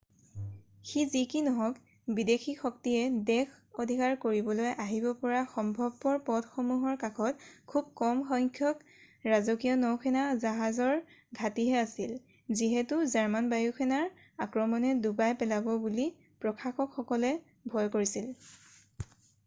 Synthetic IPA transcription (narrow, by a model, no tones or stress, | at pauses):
xizikinɔɦɔk | bidexʰixɔktijɛdɛx | odʱikaɹkoɹibɔlojʔaɦibɔpɔɹaxɔmbʱɔbːɔɹpɔdxɔmuɦɔɹkakʰɔt̚kʰub̚kɔmxɔŋkʰjɔk | ɹazɔkijɔnɔwkʰɛnazaɦazɔɹɡʱatiɦɛasil | ziɦɛtuzaɹmanbajukʰɛnaɹ | akɹɔmɔnɛdubajpɛlabɔbuli | pɹɔkʰaxɔkxɔkɔlɛ | bʱɔjkoɹisil